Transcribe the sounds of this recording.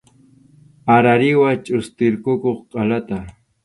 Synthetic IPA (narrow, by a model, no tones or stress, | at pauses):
aɾaɾɪwat͡ʃʼʊst̪ɪɾkʊkoχqʼɑlat̪a